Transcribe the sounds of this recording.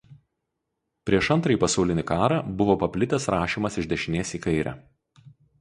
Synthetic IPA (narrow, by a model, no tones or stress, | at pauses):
pʲɾʲiɛʃɐnt̪ɾɐipɐsɐʊlʲɪnʲɪkɑːɾɑbʊʋoːpɐpʲlʲɪt̪ʲɛsɾɑːʃʲiːmɐsɪʒʲd̪ʲɛʃʲɪnʲeːsiːkɐɪɾʲæ̰